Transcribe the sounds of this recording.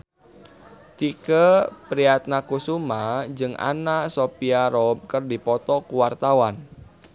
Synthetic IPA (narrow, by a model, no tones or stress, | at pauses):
t̪ikəpɾiat̪̚nakusumad͡ʒɨŋʔa̰nasopiaɾɔb̚kərdipɔt̪ɔkuwart̪awan